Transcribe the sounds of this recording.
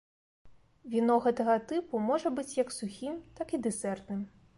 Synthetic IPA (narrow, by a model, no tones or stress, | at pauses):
vʲinɔɣɛt̪ɐɣɐt̪ɨpumɔʐɐbɨt͡sʲjɐksuxʲimt̪akid̪ɨsɛrt̪nɨm